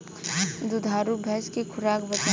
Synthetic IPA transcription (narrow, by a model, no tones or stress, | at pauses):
d̪ud̪ʱaːɾubʱɛɦskekʰʊɾaːkbət̪